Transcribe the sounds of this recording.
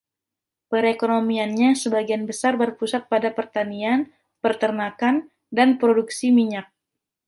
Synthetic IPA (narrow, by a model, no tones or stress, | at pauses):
pəɾekonomianɲasəbaɡianbəsarbərpusat̪̚padapərt̪anian | pərt̪ərnakan | danpɾoduksimiɲak̚